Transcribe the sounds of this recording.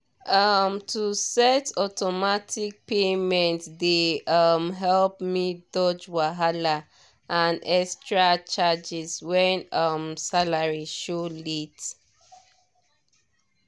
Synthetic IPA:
ʌmtʰusɛtɔtɔmatʰik̚pemɛ̃ntdeʌmɦɛlpmitd̥ɔd͡ʒwaɦala | ʔãnɛstɹat͡ʃad͡ʒizwɛ̃nʌmsalaɹiʃolit

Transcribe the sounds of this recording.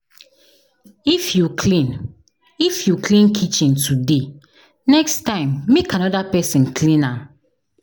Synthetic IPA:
ifjukʰlĩn | ifjuklĩnkʰit͡ʃĩntʰude | nɛkstãɪ̃mːekãnɔdapɛsĩnkʰlĩnãm

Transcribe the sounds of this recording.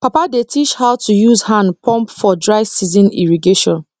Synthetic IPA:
papadetʰit͡ʃhaʊtʰujuzhãnpʰɔ̃mpfɔdɹaɪsizĩnḭɹiɡeʃɔ̃n

